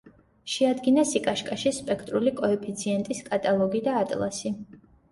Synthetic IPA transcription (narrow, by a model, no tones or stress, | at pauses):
ʃɛad̪ɡinasikʼaʃkʼaʃispʼɛkʰt̪ʼɾulikʼɔɛpʰit̪sʰiɛnt̪ʼiskʼat̪ʼalˠɔɡid̪aːt̪ʼlˠa̰si